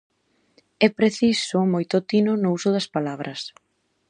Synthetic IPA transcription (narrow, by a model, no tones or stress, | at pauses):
ɛpɾeθisʊmojt̪ot̪inonʊusʊðɐspalaβɾʔɐs